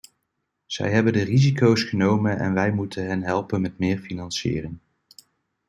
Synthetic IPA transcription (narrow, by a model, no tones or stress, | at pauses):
z̥ɛ̰jɦɛbəndərizikowsχənowmənʔɛ̰nʋɛjmutʰənɦɛnɦɛlˠpənmɛtmɪːɹfinɑnsɪ̰ːrɪŋ